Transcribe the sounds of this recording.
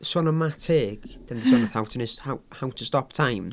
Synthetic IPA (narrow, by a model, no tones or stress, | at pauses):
sɔnəmatʰeːɡ̥d̥anðəsɔnaθawtʰənəshawhawtʰəstɔp̚tʰajm